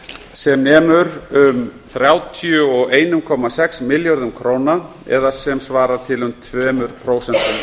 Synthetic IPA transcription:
sɛmnɛːmʏɾʏmθɾjaːwt̪ʰjʏɔɣeːjnʏmkʰɔːmasɛksmɪljɔɾðʏmkʰɾoːwna | ɛ̰ðasɛmsvaːɾaɾ̥t̪ʰɪlʏmt̪ʰvɛːmʏɾ̥pʰɾoːwsɛnt̪ʏm

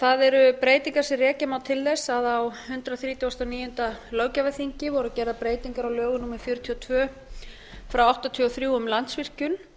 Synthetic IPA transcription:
θaðɛɾʏpɾeːjt̪iŋkaɾsɪrɛːcɪmaːwt̪ʰɪlðɛsaðawhʏnt̪ɾaθɾiːt̪jawast̪awniːjʏnt̪alœːwcavaθiɲcɪvɔɾʏcɛːɾðapɾeːjt̪iŋkaɾawlœːɣʏnuːmɛɾfjʏɾʏt̪ʰiɔt̪ʰvœː | fɾawawht̪at̪ʰiɔθɾjuːʏmlant̪svir̥cʏn

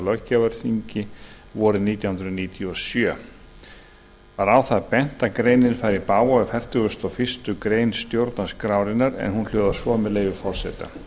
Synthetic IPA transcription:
lœhcːavɛɾ̥θiɲcɪ | vɔɾʏðniːt̪jawhʏnɾʏniːt̪ʰiɔsjœː | vaɾaːwθaðpɛn̥t̪akɾejnɪnfajɾipaːwaɛfɛr̥t̪ʏɣʏst̪awfɪ̥st̪ʏkɾeːjnst̪jowɾt̪naskɾaːwɾɪnːaɾɛ̰nhunl̥œːðḁsvɔːmɛðleːjvɪfɔr̥sɛ̰t̪a̰

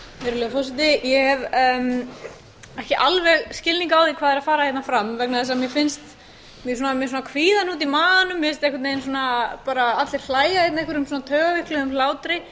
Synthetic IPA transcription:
meːɾʏleːɣfɔs̬ɪt̪ɪjɛhɛvm | ɛhcɪʔalvɛɣscɪlniŋkaːwðikʰvaːðɛɾaðfaːɾahjɛt̪nafɾamvɛk̚naðɛs̬amjɛfɪnst̪ | mjɛs̬uːnamjɛs̬uːnakʰviːðanut̪̬imaːðanʏmːjɛfɪnst̪ɛhkʏt̪nejnsuːnapaːɾaat̪lɪɾ̥l̥aːjaɛjt̪nehkvʏɾʏmsuːnat̪ʰœːɣavɪhklʏðʏml̥aːwt̪ɾɪ

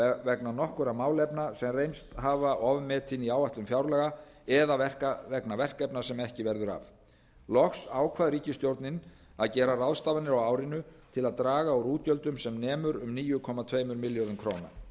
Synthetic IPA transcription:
vɛknanɔhkʏɾamaːwlɛpnasɛmrejmst̪haːvaʔɔːvʏmːɛt̪ʰɪniaːwaht̪lʏmfjawɾlɛɣa | ɛðavɛr̥kavɛknavɛr̥kɛpnasɛmɛhcɪvɛɾðʏɾa̰v | lɔxsaːwkʰvaðɾiːcɪst̪jowɾt̪nɪn | aðcɛːɾarawðst̪aːvanɪɾawawɾɪnʏt̪ʰɪlaðt̪ɾaːɣaɔwɾuːt̪jœlt̪ʏmsɛmnɛːmʏɾʏmniːjʏkʰɔmat̪ʰvejmʏɾmɪljɔɾðʏmkʰɾowna̰

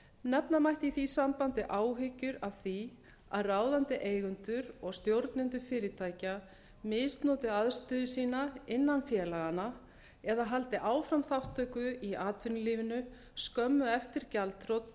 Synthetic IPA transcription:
nɛpnamajht̪iθisampant̪ɪʔaːwɦɪcʏɾavθi | a̰ðraːwðant̪ɪʔeːjɣʏnt̪ʏɾɔɣst̪jowɾt̪nɪnt̪ʏɾfɪːɾɪt̪ʰaːjca | mɪst̪nɔːt̪ɪaðst̪ʏːðʏsiːnaɪnːanfjɛːlaɣana | ɛðaɦalt̪ɪʔaːwfɾamθawht̪ʰœːkʏiaːt̪vʏnʏliːvɪnʏ | skœmːʏɛft̪ɪɾ̥calt̪ʰɾowt̪

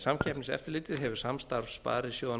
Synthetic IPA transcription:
samcʰɛpnɪsɛ̰ft̪ɪɾlɪːt̪ɪðɦɛvʏ̥samst̪aɾfspa̰ːɾɪsjoːwða

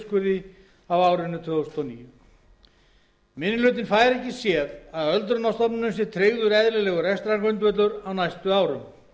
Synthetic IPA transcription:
skvʏɾðɪ | avaːwɾɪnʏt̪ʰœːðʏst̪ɔniːjʏ | mɪnːɪlʏːt̪̬ɪnfaːjɾɛhcːɪsjɛːðaðœlt̪̬ɾʏnast̪ɔpnɪnʏms̬ɛɾ̥t̪ʰɾeːɣðʏɾɛðlɪlɛːɣʏɾɛst̪ɾaŋkʏnt̪̬vœt̪lʏɾawnajst̪ʏaːwɾʏm

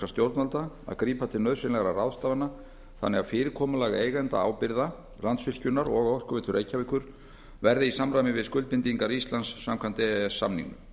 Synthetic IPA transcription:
ast̪jowɾt̪nalt̪a | a̰ðkɾiːpat̪ʰɪlnœðsɪnɛɣaɾaraðst̪aːvana | θanːɛɣafɪːɾɪɾkʰɔːmʏlaːɣejɣɛnt̪a̰a̰ːwpɪɾða | lant̪svɪl̥cʏnːaɾɔɣaɔr̥kʏvɛt̪ʏɾʔejcavɪkːʏɾ̥ | vɛɾðɪisamɾajmɪvɪðskʏlt̪pɪnt̪iŋkaɾist̪lansːamkʰvant̪ɪɛɛsːa̰mnḭŋʏ

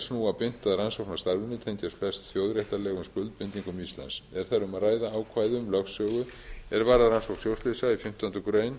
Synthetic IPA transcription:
snuːapɪn̥t̪aðɾansowknḁst̪aɾvɪnʏt̪ʰɛnt̪asflɛst̪θjowðɾɛht̪alɛːɣʏmskʏlt̪pɪnt̪iŋkʏmist̪la̰nsɛɾ̥θaɾʏmaðraːjðaaːwkʰvaːjðʏmlœfsœːɣʏɛɾvaɾðaɾansowk̪sjowst̪lɪsaifɪm̥t̪ant̪ʏkɾeːjn

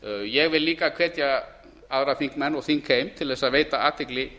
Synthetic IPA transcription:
jɛɣvɪlliːkakʰvɛːt̪ja | aðɾaθiŋkmɛnːɔɣθiŋkʰejmt̪ʰɪlðɛsaðveːjt̪aaːt̪ʰhɪklɪ

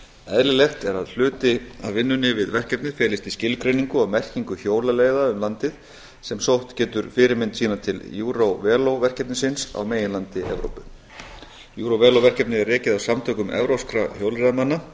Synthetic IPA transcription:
ɛðlɪlɛht̪ɛɾaðl̥ʏːt̪ɪavvɪnːʏnːɪvɪðvɛr̥cɛpnɪfɛːlɪst̪iscɪlkɾejniŋkʏawmɛr̥ciŋkʏçjoːwlaleːjðaʏmlant̪ɪð | sɛmsowht̪cɛːt̪ʏɾfɪːɾɪmɪnt̪siːnat̪ʰɪljuːɾowvɛːlowvɛr̥cɛp̚nɪsɪnsa̰wmeːjɪnlant̪ɪʔɛ̰vɾo̰wpʏ | juːɾowvɛːlowvɛr̥cɛpnɪɛrːɛːcɪðawsamt̪ʰœːkʏmɛ̰vɾowskɾaçjowlɾɛðamanːa

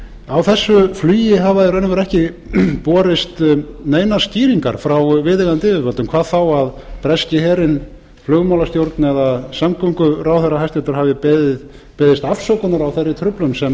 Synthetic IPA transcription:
awθɛsːʏflyːjɪɦavaðɪɾœjnʏvɛɾɛhcɪ | pɔːɾɪst̪nejnḁst̪iːɾiŋka̰ɾ̥fɾawvɪðɪɣant̪ɪvɪvœlt̪ʏmkʰvaːðθawaðpɾɛscɪhɛːɾɪn | flœːɣmawlast̪jowɾt̪nɛðasamkʰɔŋkʏɾawθɛrːaɦajst̪ɛt̪ʏɾ̥havɪpɛðɪð | pɛːðɪst̪afsɔwkʏnaɾawθɛrːɪt̪ʰɾʏplʏmsɛm

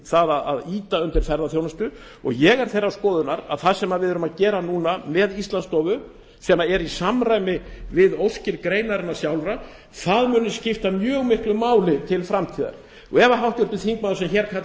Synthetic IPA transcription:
θaðaðaðiːt̪aʏnt̪ɪɾ̥fɛɾðaθjoːwnast̪ʏ | ɔ̰ɣjɛɣɛɾ̥θejɾːawskɔːðʏnaɾa̰ðθaðsɛmːaðvɪðʏɾʏmaðcɛːɾanuːnamɛðist̪lanst̪ɔːvʏ | sɛmːaɛɾisamraːjmɪvɪðowscɪɾkɾeːjnaɾɪnːasjawlvɾa | θaðmʏːnʏscɪft̪amjœːɣmɪhklʏmaːwlɪt̪ʰɪlfɾamt̪ʰiːða̰ɾ̥ | ɛvaɦawht̪jʏɾt̪ːʏθiŋkmaðʏsɛmçɛɾkʰa

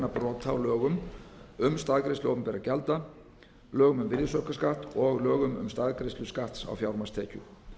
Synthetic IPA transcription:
napɾɔːt̪ʰawlœːɣʏmʏmst̪aːðkɾest̪ʏɔːpmpɛɾacɛlt̪a | lœːɣʏmʏmvɪɾjɪsœhkaskaht̪ɔɣlœːɣʏmʏ̰mst̪aðkɾejst̪ʏskaht̪sa̰wfjawɾmast̪ʰɛːcʏ

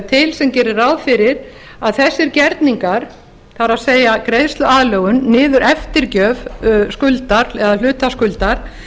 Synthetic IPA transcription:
t̪ʰɪlsɛmcɛːɾɪɾawfɪɾɪɾ | aðθɛsːɪɾcɛɾt̪niŋkaɾ̥ | θaɾaðseːjakɾejðst̪lʏaːðlœɣʏnːɪːðʏɾʔɛft̪ɪɾcœːvskʏlt̪aɾɛðalʏːt̪askʏlt̪aɾ̥

